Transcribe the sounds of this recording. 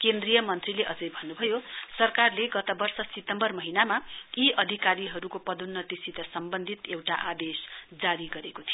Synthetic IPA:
kend̪rijʌmʌnt̪rileʔʌd͡zʌjbʱʌnːubʱʌjosʌrkarleɡʌt̪ʌbʌrsʌsit̪ʌmbʌrmʌɦinamaiʌd̪ʱikaɾiɦʌɾukopʌd̪unːʌt̪isit̪ʌsʌmbʌnd̪ʱit̪ewʈaʔad̪esd͡zaɾiɡʌɾekot̪ʰijo

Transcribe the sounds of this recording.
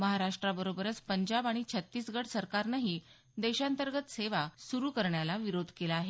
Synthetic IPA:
məɦaɾaʂʈɾabəɾobəɾət͡spəɲd͡ʑabaɽ̃it͡ɕʰət̪ːiːsɡəʈsəɾkaɾnaɦiː | d̪ɛɕãnt̪əɾɡət̪seʋasuɾuːkəɾɳjalaʋiɾod̪ʱkelaːɦe

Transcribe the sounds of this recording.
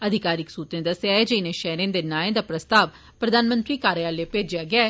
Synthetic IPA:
əd̪ʱɪkaːɾɪksuːt̪ẽːd̪əsjaːed͡ʒɪnẽːʃɛːɾẽːd̪eːnaːẽd̪aːpɾəst̪aːʋ | pɾəd̪aːnmə̃nt̪ɾiːkaːɾeaːleːpeːd͡ʒɪjaːɡɪa

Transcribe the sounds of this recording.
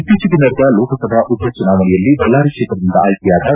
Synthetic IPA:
t̪ːit͡ʃid̪inɐɾd̪ɐloːkɐsɐd̪ɐʔud̪ʱjɐt͡ʃunaːʋɐɳɛjɐlːibɐlːaːɾikʂeːt̪ɾɐd̪ind̪ɐːjk̪ijaːd̪ɐ

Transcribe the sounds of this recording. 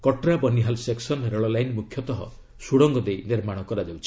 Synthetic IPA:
kɔʈɾabɔniɦalseksɔneɾɔɭɔlajnmukʰjɔt̪ɔɦɔ̰ | suɽɔŋɡɔd̪ejniɾmaɽ̃ɔkɔɾad͡ʒawt͡ʃʰi̥

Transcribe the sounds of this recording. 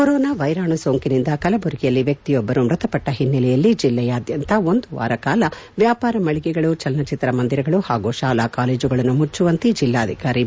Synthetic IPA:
kɔɾɔːnaːʋɐjɾaːɳusoːŋkinind̪ɐkɐlɐbʱuɾɡijɐlːiʋjɐk̚t̪ijɔbːɐɾumɾɐt̪ɐpɐʈːɐɦinːɐlɛjɐlːid͡ʒilːɛjaːd̪jɐnt̪ɐo̞nd̪uʋa̰ːɾɐkaːlɐʋjaːpaːɾɐmɐɭiɡɛɡɐɭut͡ʃɐlnɐt͡ʃit̪ɐɾɐmɐnd̪iɾɐɡɐɭuhaːɡuːʃaːlaːkaːleːd͡ʒuɡɐɭɐnːumut͡ʃːuʋɐnt̪id͡ʒilːaːd̪ʱikaːɾi

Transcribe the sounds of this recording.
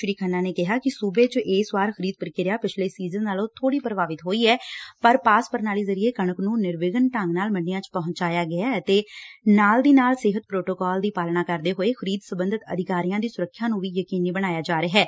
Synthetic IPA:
ʃɾiːkʰənːaːneːkɪɦaːkɪsuːbeːt͡ʃʔeːsʋaːɾxʰəɾiːd̪̚pəɾkɪɾjaːpɪt͡ʃʰleːsiːzənːaːlõːt̪ʰoːɽiːpəɾbaːʋɪt̪ɦoːiːɛːpəɾpaːspəɾnaːleːzəɾieːkəɳ̃əknũːnɪɾʋɪɡənʈəŋɡnaːlmənːɪjãːt͡ʃpɔɦʊ̃ɲt͡ʃaːjaːɡɪjaːət̪eːnaːld̪iːnaːlsɪɦət̪̚pɾoːʈoːkɔːld̪iːpaːlnaːkəɾd̪eːɦoːeːxʰəɾiːd̪səbənd̪ɪt̪ə̰d̪ɪkaːɾijãːd̪iːsʊɾəkʰːjãːnũːʋiːjəkiːniːbəɽ̃aːjaːd͡ʒaːɾəɦɛː

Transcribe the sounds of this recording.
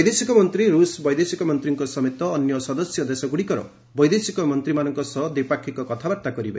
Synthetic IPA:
jd̪esikɔmɔnt̪ɾiɾusbɔjd̪esikɔmɔnt̪ɾiŋkɔsɔmet̪ɔːnjɔsɔd̪ɔsjɔd̪esɔɡuɽikɔɾɔ̰ | bɔjd̪esikɔmɔnt̪ɾimanɔŋkɔsɔd̪epakʰːikɔkɔt̪ʰabaɾt̪akɔɾiba̰

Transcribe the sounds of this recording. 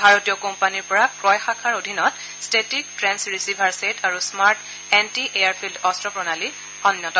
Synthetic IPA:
bʱaɹotijɔkɔmpaniɹpɔɹakɹɔjxakʰaɹodʱinɔt | stetik̚tɹɛnsɹisibʱaɹsetʰaɹusmaɹt | ɛntiʔeaɹpʰildɔstɹɔpɹɔnali | ɔnjɔtɔ

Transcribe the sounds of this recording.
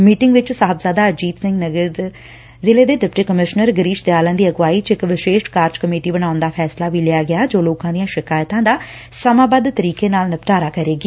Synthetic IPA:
miːʈɪŋɡʋɪt͡ʃsaːɦəbzaːd̪aːəd͡ʒiːt̪sɪ̃ŋɡnəɡəɾ | zɪleːd̪eːɖɪpʈiːkəmɪʃnəɾɡəɾiːʃd̪eaːlə̃nd̪iːəɡʋaːiːt͡ʃɪkʋɪʃeːʃʈkaːɾd͡ʒkəmeːʈiːbəñaːʊnd̪aːpʰɛːslaːʋiːlɪaːɡɪaːd͡ʒoːloːkãːd̪ijãːʃɪkaːjt̪ãːd̪aː | səmãːbəd̪t̪əɾiːkeːnaːlnəpʈaːɾaːkəɾeːɡiː

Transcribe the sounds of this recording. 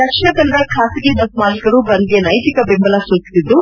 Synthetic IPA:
d̪ɐkʂiɳɐd̪ɐld̪ɐkʰaːsiɡeb̪ɐsmaːlikɐɾubɐnd̪ijɐnɐjt̪ikɐbembɐlasoːt̪i̥sid̪ːu

